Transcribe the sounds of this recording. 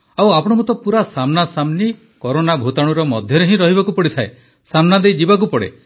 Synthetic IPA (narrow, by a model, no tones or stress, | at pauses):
awapɔɽ̃ɔkut̪ɔpuɾasamnasamni | kɔɾonabʱut̪aɽ̃uɾɔmɔd̪ʱjɔɾeɦĩɾɔɦibakupɔɽit̪ʰae | samnad̪ejd͡ʒibak̬upɔɽḛ